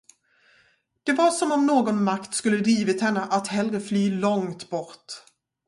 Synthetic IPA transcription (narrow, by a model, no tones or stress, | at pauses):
d̪̥ɛvaɾʂɔmɔmnoːɡɔnmakt̪skɵlːəd̪ɾiːvɪt̪hɛnːəʔat̪hɛlɾəflyːlɔŋt̪bɔɾt̪